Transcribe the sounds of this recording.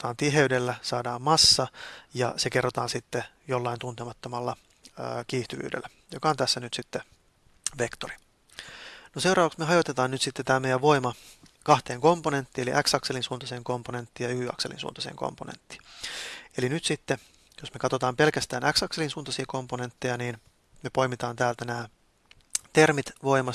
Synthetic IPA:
t̪ɑːnt̪iɦeydelːæsɑːdɑːmmɑsːɑjɑ̰sekerːot̪ɑ̰ːnsit̪ːe | jolːɑint̪unt̪emɑt̪ːomɑlːɑː | kiːht̪yʋy̰ːdḛlːæ | jokɑont̪æsːænyt̪sit̪ːe | ʋe̞kt̪ori̥ | nosewɾɑːʋɑksmeɦɑjot̪et̪ɑːnnyt̪sit̪ːet̪æːmejæʋʋo̞imɑkɑht̪e̞ːŋko̞mpone̞nt̪ːiːelḭʔæksɑkselinsuːnt̪ɑseːŋko̞mpone̞nt̪ːiːjɑyyɑ̰kselḭnsṵːnt̪ɑsḛːŋko̰mponḛnt̪ːi̥ː | e̞linyt̪sit̪ːe | josmekɑt̪o̞t̪ɑːmpe̞lkæst̪æːnæksɑkselinsuːnt̪ɑsiɑko̞mpone̞nt̪ːejɑniːn | mepo̞jmit̪ɑːnt̪æːlt̪ænæː | t̪ermit̪ʋo̞imɑ

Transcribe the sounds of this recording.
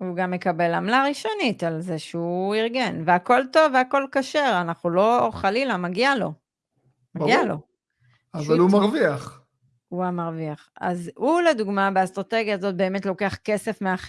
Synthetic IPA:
uɡamːe̞kabe̞lamlaʁiʃo̞nitalzeʃeuiʁɡe̞nveako̞lto̞vːeako̞lkaʃe̞ʁanaχnulo̞χalilamaɡialo̞ | maɡialo̞̰ | avalumaʁviaχ | uamaʁviaχa̰zuled̪uɡmabeast̪ʁate̞ɡjaːzo̞t̚be̞ːme̞tlo̞ke̞aχke̞se̞fmeaχ

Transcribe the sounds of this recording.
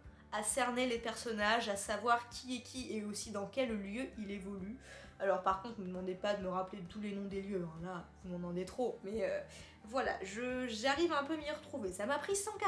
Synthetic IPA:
asɛʁnelepɛʁsɔnaʒasavwaʁkʲʰiekʲʰieosid̪ɑ̃kʲɛlljøʔilevɔly | alɔʁpaʁkɔ̃t̪χməd̪əmɑ̃d̪epad̪əməʁaplet̪ulenɔ̃d̪eljøɛ̃lavumɑ̃mɑ̃d̪et̪χomɛø | vwala̰ʒəʒaʁivɛ̃pømiʁət̪χuvesamapχisɑ̃ka

